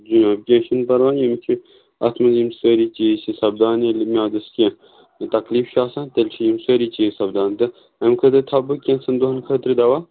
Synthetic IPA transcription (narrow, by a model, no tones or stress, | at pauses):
d͡ʒunɐbkʲeʃɐnpɐɾʋãːjɐmt͡ʃʰi | ɐ̰t̪ʰmɐnzimsəːɾit͡ʃiːsisɐbd̪aːnilmjaːd̪ɐskʲẽ | t̪ɐkliːfʃaːsãːnt̪ɐlʲt͡ʃʰijimsəːɾit͡ʃisɐbd̪aːnt̪ɐ | ɐmkʰɐt̪ɾʲit̪ʰɐbɨkʲẽnsɐnd̪uɦɐnkʰət̪ɾid̪ɐʋaː